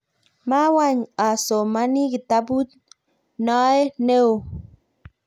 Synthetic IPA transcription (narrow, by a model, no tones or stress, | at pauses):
mawaɲasomaniɡit̪abut̪ | naeneu